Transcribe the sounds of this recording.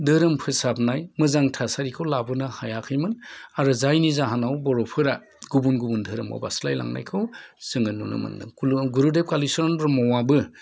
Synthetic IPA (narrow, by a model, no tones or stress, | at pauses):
dɯɾɯmpʰɯsapnajmɯzaŋtʰasaɾikʰɯwlabɯnahajakʰɯjmɯnaɾɯzajnizaɦanawbɔɾɔpʰɯɾa | ɡubunɡubundʱɯɾɯma̰wba̰slajla̰ŋna̰jkʰɯwsɯŋɯnːunɯ̰mɯ̰nɯ̰ɡuɾudep̚kalisɔɾɔnbɯɾmɔwabɯ